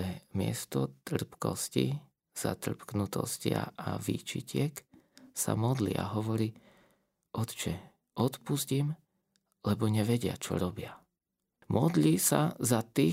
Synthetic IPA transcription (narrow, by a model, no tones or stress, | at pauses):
ɛmɪɛst̪ɔt̪r̩pkɔ̰scḭ | z̥a̰t̪r̩pknut̪ɔ̰scɪa̰aʋḭːt͡ʃicɪɛksamɔd̪lḭa̰ɦɔʋɔɾiː | ʔɔt̪t͡ʃɛ | ʔɔt̪puzcim | lɛbɔɲɛʋɛɟɪa̰t͡ʃɔ̰ɾɔbɪa | mʔɔd̪lisa̰zat̪iː